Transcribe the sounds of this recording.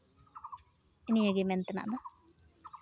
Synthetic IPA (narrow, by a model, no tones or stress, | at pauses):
enijɐɡement̪ɐna̰ːd̪a